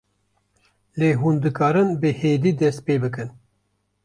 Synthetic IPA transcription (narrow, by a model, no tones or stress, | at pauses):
leːɦuːnd̪ɨkɑːɾɨnbɨheːd̪iːd̪ɛst̪̚peːbɨkɨn